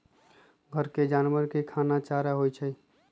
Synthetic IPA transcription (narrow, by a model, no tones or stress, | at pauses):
ɡʱəɾked͡ʒanwəɾkekʰanat͡ʃaɾaɦojt͡ʃʰɛ